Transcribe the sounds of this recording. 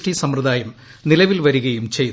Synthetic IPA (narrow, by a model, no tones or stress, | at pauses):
ʈisɐmrɐðaːjɐmnilɐʋilʋɐɾuɣɐjumt͡ɕej̪